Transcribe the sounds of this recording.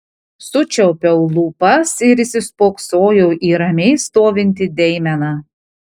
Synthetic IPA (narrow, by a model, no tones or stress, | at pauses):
sʊt͡ʃʲɛʊpʲɛʊlˠuːpɐsɪɾɪsʲɪspoːksoːjoʊʔiːɾɐmʲɛɪst̪oːʋʲɪnʲt̪ʲɪd̪ʲɛɪmʲɛnɑː